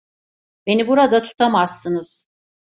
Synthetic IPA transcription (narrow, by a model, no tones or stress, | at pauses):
be̞nibuɾad̪at̪ʰu̥t̪ʰamaz̥ːɯnɯz̥